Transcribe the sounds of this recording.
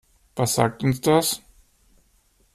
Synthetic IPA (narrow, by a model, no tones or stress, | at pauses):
v̥asz̥a̰ːk̚tʊnsd̥as